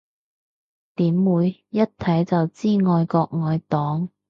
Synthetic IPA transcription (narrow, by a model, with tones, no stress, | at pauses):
t̪iː˨˥mwuː˨˧jːɐ˥t̚t̪ʰɐ˨˥jt͡sɐ˨wt͡siː˥˩ŋɔː˨˧jkɔː˧k̚ŋɔː˧jt̪ɔː˨˥ŋ